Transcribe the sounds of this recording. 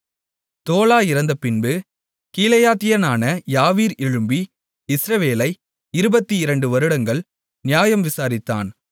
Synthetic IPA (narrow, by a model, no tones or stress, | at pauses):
t̪oːlaːɪɾɐnd̪ɐpɪnbɯ | kiːlɐjaːt̪ɪjɐnaːnɐjaːʋiːɾɪɻɯmbi | ɪsɾɐʋeːlɐɪ | ɪɾɯbɐt̪ːiɪɾɐɳɖɯʋɐɾɯɽɐŋɡɐɭ | nɪjaːjɐmʋɪsaːɾɪt̪ːa̰ːn